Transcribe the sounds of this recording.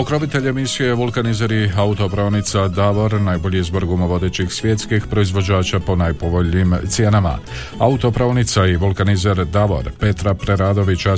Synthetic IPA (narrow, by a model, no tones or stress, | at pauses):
okɾo̞bit̪e̞ʎemisijeʋulkanizeɾiaut̪o̞pɾaonit̪sad̪aʋo̞ɾnajboʎiizboɾɡumoʋo̞d̪e̞t͡ɕixsʋjet̪skixpɾo̞izʋo̞d͡ʑaːt͡ʃapo̞najpo̞ʋo̞ʎnimt̪sje̞nama̰ | aut̪opɾaonit̪saiʋulˠkanizeɾd̪aʋo̞̰ɾpe̞t̪ɾapɾeɾad̪o̞ʋit͡ɕa